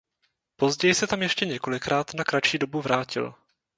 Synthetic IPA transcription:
po̞zɟɛjɪsɛt̪amjɛʃcɛɲɛko̞lɪkɾaːt̪nakɾat͡ʃiːdo̞buvɾaːcɪ̰l

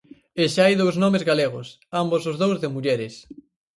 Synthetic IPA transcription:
eʃaajðowznɔmezɣaleɣʊ̰s | ambosʊzðowzðemuʎɛɾɪs

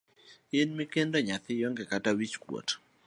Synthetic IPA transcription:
enmikendɔɲat̪ɪjɔŋɡɛkatawit͡ʃkwo̰t

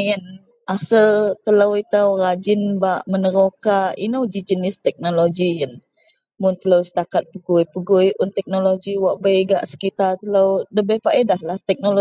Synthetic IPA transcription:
jən | asəlt̪ələwit̪əwrad͡ʒɪnbaʔmənəɾokaḭnəwd͡ʒid͡ʒənɪst̪ɛk̚noloɡijən | mʊnt̪ələwsə̥t̪akat̪̚pəɡʊjpəɡʊjʔʊnt̪ɛk̚noloɡiwaʔbəjɡaʔsə̥kit̪art̪ələwdəbəhfaʔedahlaht̪ɛk̚nolo

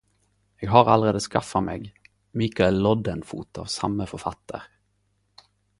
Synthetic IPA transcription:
eːɡɦɑːʁɑləʁeːd̪əskɑfɑmḛːɡ | miːkɑɛlːɔd̪eːnfṵːt̪ɑ̰ːʋsɑməfɔfɑt̪ʰːə̰ʁ

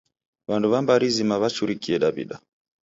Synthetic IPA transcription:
βanduβambaɾizimaβat͡ʃuɾikiɛɗaβḭɗa

